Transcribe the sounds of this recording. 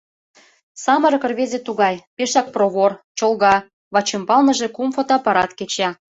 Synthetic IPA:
sɑmɤ̆ɾɤ̆kə̆rβezʲet̪uɣɑjpeʃɑk̚proβort͡ɕolˠɣɑ | βɑt͡ɕĕmpɑlnɤ̆ʒekumfot̪ɑpɑɾɑt̪ket͡ɕɑ

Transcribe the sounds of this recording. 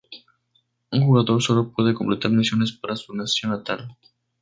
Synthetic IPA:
uŋʒuɣat̪orsolopuðekomplet̪armisionespəɾasunesionat̪a̰l

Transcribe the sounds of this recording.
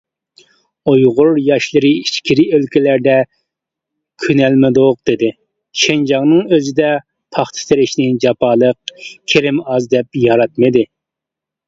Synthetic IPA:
ojʁʊɾjɑʃlˠɨɾɨiʃkʲʰiɾɪølkʲilæɾd̪ɛ | kʲʰynɛlmɪd̪ʊq̚d̪̥ɪd̪ɪ | ʃʰend͡ʒɑŋnɨŋøzɪd̪ɛ | pʰɑχt̪ʰɨ̥seɾɪʃnɪd͡ʒɑpʰɑːlˠəq̚kʲʰeɾɪmɑzd̪ɛp̚jɑɾɑt̪̚mɨd̪ɪ

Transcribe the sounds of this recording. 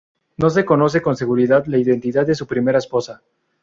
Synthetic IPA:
no̞s̬e̞ko̞no̞s̬e̞ko̞nse̞ɣuɾiðaðlaiðe̞nt̪iðad̪̚d̪e̞s̬upɾimeɾaespo̞sa

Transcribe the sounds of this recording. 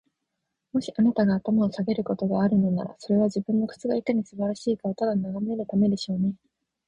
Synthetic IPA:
mo̞ɕiʔanat̪aɡaːt̪amao̞saɡe̞ɾɯ̟ko̞t̪o̞ɡaːɾɯ̟no̞na̰ɾa̰so̞ɾe̞β̞aʑibɯ̟̃nːo̞kɯ̟̥t͡sɨɡaik̪aɲ̟isɨbaɾaɕiːkaot̪ad̪anːaɡameɾɯ̟t̪ame̞d̪e̞ɕo̞ːne̞

